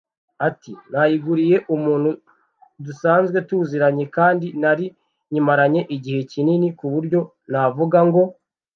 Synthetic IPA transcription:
atinajiɡuɾije̞ʔumuːn̥hu | dusaːnzɡwe̞tuziɾaɲe̞kaːndinaɾi | ɲimaɾaɲe̞ʔiɟihe̞cininikuβuɾɟo̞ | navuɡaŋɡo̞

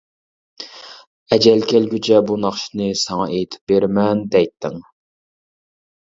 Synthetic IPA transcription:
ɛd͡ʒɛlkʲʰɛlɡʲyt͡ʃʰɛbunɑχʃinɨsɛŋɑʔejt̪ʰɪ̥p̚beɾmɛnd̪ɛjt̪ʰːɪ̰ŋ

